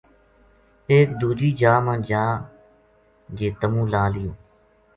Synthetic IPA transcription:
eːk̚d̪uːd͡ʒiːd͡ʒaːmãːd͡ʒaː | d͡ʒeːt̪əmũːlaːlɪjoː

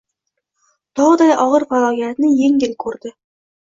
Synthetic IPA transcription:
t̪ʰɒʁɨd̪ajʔɒʁɨɾfalˠɒɡjat̪nɪjeŋʲɪlkʰɵɾd̪ɪ

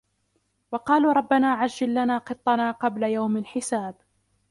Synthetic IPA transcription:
wɑqɑːluːɾˤɑbːanaːʕaʒːalːanaːqɨt̪ˤːɑnaːqɑblajawmalħɪsaːb

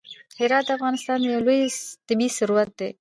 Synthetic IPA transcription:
hɪɾɑt̪̚d̪əafɣɑnɪst̪ɑnd̪əjawlojt̪ɪbisʊɾuɾat̪̚d̪e

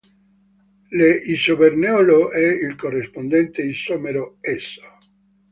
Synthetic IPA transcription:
leisoβeɾneoloʔɛilkorespond̪ent̪eisomeɾoesa

